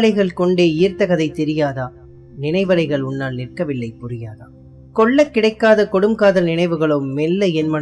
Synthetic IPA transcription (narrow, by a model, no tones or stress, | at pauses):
lɐɪɣɐɭkɔɳɖeːiːrt̪ɐɣɐðɐɪt̪ɛɾɪjaːðaː | nɪnɐɪʋɐlɐɪɣɐɭʊnːaːlnɪrkɐʋɪlːɐɪpʊrɪjaːða̰ː | kɔɭːɐkːɪɽɐɪkːaːðɐkɔɽɯmkaːðɐlnɪnɐɪʋɯɣɐɭomɛlːɐɛnmɐ